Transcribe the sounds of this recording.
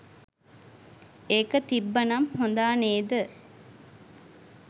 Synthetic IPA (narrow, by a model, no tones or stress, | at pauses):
eːkət̪ibːɐnɐmhond̪aːneːd̪ə